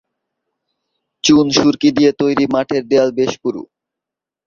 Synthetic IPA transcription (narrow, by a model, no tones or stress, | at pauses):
t͡ɕunʃuɾkid̪ijet̪ojɾimaʈʰeɾɖealbeʃpuɾṵ